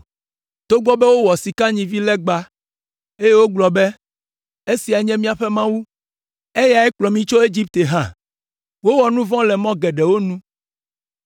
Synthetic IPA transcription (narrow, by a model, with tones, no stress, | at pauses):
t̪o˦ɡ͡bɔ˦bɛ˦wo˦wɔ˨si˨ka˦ɲĩ˨vi˦lɛ˦ɡ͡ba˦ | e˦je˦wo˦ɡ͡blɔ˨bɛ˦ | e˦si˨a˨ɲɛ̃˦mĩ˦a˨ɸɛ˦mã˦wu˦ | e˦ja˨ɛ˦k͡plɔ˨mĩ˨t͡ʃo˦e˦d͡ʑi˦p̚t̪e˨ɦã̰˨ | wo˦wɔ˨nũ˦vɔ̃˦lɛ˨mɔ̃˦ɡɛ˨ɖɛ˨wo˦nũ˦